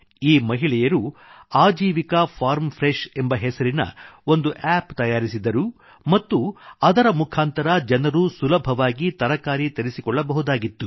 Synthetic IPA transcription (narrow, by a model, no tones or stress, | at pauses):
iːmɐɦiɭɛjɐɾuaːd͡ʒiːʋikɐpʰaːɾmfʰɾeʃe̞mbɐɦɛsɐɾinɐ̰o̞nd̪uʔɛːpt̪ɐjaːɾisid̪ɐɾu | mɐt̪ːuɐd̪ɐɾɐmukʰaːnt̪ɐɾɐd͡ʒɐnɐɾusulɐbʱɐʋaːɡit̪ɐɾɐkaːɾit̪eɾisikɔɭːɐbɐɦud̪aːɡit̪ːu